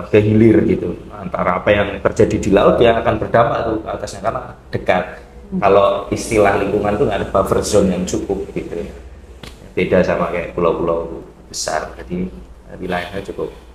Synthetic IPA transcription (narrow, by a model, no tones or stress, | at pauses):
ɡəɦilɪrɡit̪uant̪aɾaːpajaŋt̪ərd͡ʒadidilaʊt̪̚jaːkanbərdampaʔt̪ukat̪asɲakanaʔd̥əkat̪̚ | kaloist̪ilahliŋkuŋant̪uŋɡadəb̥afərzɔnjaŋt͡ʃukʊp̚ɡ̥it̪uja | ab̥edasamakaja̰ʔpulawpulaw | b̥əsa̰rd͡ʒadi | pilaɪnad͡ʒukʊp̚